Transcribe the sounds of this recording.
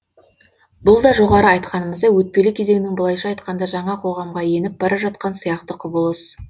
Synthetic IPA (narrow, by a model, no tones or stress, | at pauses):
bʊlˠd̪ɑʒo̞ʁɑɾəɑjt̪qɑnəməzd̪ɑwɵt̪̚pe̞lɪkʲʰe̞ze̞ŋɪnɪŋbəlˠɑjʃɑːjt̪qɑnd̪ɑʒɑɴɑqʰo̞ʁɑmʁɑje̞nɪp̚bɑɾʔɑʒɑt̪qɑnsijɑqt̪əqʰʊbəlˠəs